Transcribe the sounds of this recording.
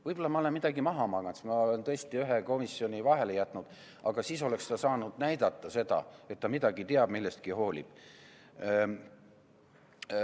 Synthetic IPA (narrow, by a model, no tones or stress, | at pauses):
vɤjbo̞lːɑmɑoe̞nmid̪̥ɑɡimɑɦɑmɑɡɑnsmɑolent̪ɤest̪iyɦeko̞misːio̞nʲivɑɦe̞lejæt̪ˑnud̪̥ | ɑɡ̥ɑsiːs̬o̞le̞kst̪ɑsɑːnud̪̥næjd̪̥ɑt̪ˑːɑse̞d̪̥ɑ̰e̞t̪ːɑmid̪̥ɑɡit̪eɑb̥milːest̪̚kiho̞ːlʲḭb̥